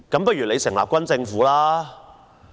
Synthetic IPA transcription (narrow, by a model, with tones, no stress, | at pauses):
kɐ˨˥mp̬ɐ˥t̚jy˨˩le˨˧jsɪ˨˩ŋla̰ː˨p̚kʷɐ˥nt͡sɪ˧ŋfuː˨˥laː˥